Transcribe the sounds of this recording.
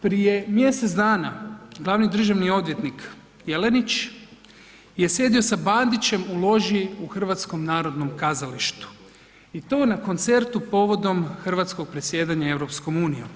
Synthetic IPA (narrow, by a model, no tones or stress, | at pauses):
pɾije̞mje̞set̪d̪aːnaɡlˠaʋnid̪r̩ʒaʋnio̞d̪ʋjet̪nik | jelenit͡ɕ | je̞sje̞ːd̪io̞saband̪it͡ɕe̞mulˠo̞ʒiuxr̩ʋat̪sko̞mnaːɾo̞d̪no̞mkazaliʃt̪u̥ | it̪o̞ːnako̞nt̪se̞ɾt̪upo̞ʋo̞d̪o̞mxr̩ʋat̪sko̞ɡ̥̚pɾesʲje̞ːd̪aɲae̞wɾo̞psko̞muːnijo̰m